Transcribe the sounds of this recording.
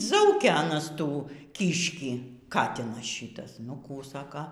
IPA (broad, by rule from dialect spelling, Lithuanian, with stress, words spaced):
ˈzɐʊkʲɛ ɐˈnɐs ˈtuː ˈkʲiːʃʲkʲiː ˈkɑːtʲɪnɐs ˈʃʲiːtɐs nʊ ˈkuː ˈsɑːkɐ